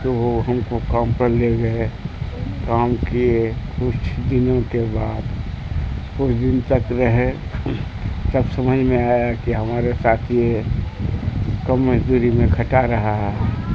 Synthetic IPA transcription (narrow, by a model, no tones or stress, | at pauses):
t̪oɦəmkokampəɾleɡəe | kaːmkikʰʊt͡ʃʰd̪ɪnõkebaːd̪ | kʊt͡ʃʰd̪ɪnt̪əkɾəɦe | səbsəməd͡ʒʱmẽaːjakiɦəmaːɾesaːt̪ʰie | kəmːəd͡ʒd̪uɾimẽkʰəʈaɾəɦaɦɛ